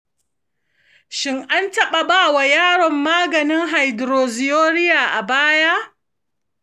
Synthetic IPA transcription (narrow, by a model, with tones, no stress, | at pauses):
ʃɪ˦ŋʔa˦ntɐ˦ɓa˨baː˦˨wa˨jaː˦ɽɔ˨mːaː˦ɡɐ˨nɪ˦ŋɦa˨jdɾoː˨zɪ˨joː˦ɽɪ˦jaː˨ʔa˨baː˦ja˦